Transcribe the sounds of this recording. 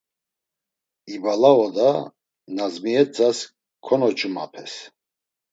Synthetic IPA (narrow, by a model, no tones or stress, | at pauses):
ibalaɔd̪a | nazmiɛt͡sʼas | kʰɔnɔt͡ʃʰʼma̰pʰɛs